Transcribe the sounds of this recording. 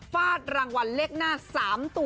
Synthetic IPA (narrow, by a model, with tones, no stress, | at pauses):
faː˥˩t̪̚ɾaː˧ŋwa˧nle˥˩k̚naː˥˩saː˩˦mt̪u˧